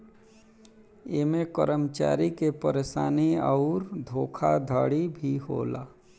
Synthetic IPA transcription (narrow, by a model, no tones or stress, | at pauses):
emẽkə̰ɾəmt͡ʃa̰ːɾikepəɾeːsaːniəːʊɾd̪ʱoːkʰad̪ʱaːɽibʱiɦo̰ːlaː